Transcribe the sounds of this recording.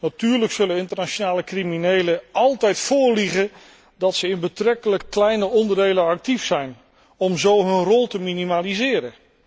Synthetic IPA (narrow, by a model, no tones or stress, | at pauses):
natyːɹləksɵlənɪntəɹnaʃonaːləkriminejləɑlˠtɛjtfʊːɹliχə | dɑtsəɪnbətrɛkələkːlɛjnəɔndəɹdejlənɑk̚tifsɛjn | ɔmzowɦɵnrɔlˠtəminimalizɪːɾə